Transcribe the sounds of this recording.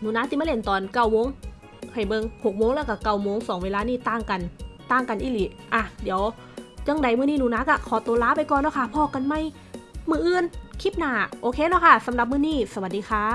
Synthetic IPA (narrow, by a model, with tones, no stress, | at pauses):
nuː˨˧˦naː˧˥si˧maː˧˨le˧˩nt̪ɔː˨˩nka˧˩wmoː˧˥˨ŋ | hʰa˨˩jbɤː˧ŋho˨˩k̚moː˧˥ŋlɛː˧˥˩ka˧˩ka˧˩wmoː˧˨ŋsɔː˨˦ŋweː˧laː˧niː˧˩t̪aː˧˩ŋka˨nt̪aː˧˥˩ŋka˨nʔiː˧˥li˨˩ | ʔaː˧˩diː˨˦ə˦w | t͡ɕa˧˥˨ŋda˨˩˦jmɯː˧˨niː˧˥˨nuː˧˦naː˧˥ka˧˩kʰɔː˨˦t̪o˧˦laː˧˥pa˧˨jkɔː˧˨nlɔː˧˦kʰa˧˩pʰɔː˧˩kːa˧˨nma˧˥˨j | mɯː˧˩ʔɯː˧˨nkʰi˧˥˩p̚naː˧˩ʔoː˧kʰeː˧lɔː˧˩kʰa˧˩sa˨˦mɾa˧˦p̚mɯː˧˨niː˧˥˩sa˧wa˨˩t̪̚diː˧xʰaː˧˩